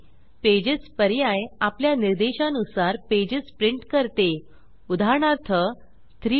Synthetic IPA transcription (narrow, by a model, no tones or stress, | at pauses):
ped͡ʑəspəɾjajapljaniɾd̪eɕãnusaɾped͡ʑəspɾiɳʈkəɾt̪e | ud̪ʱaɾɳaɾt̪ʰə | t̪ɾi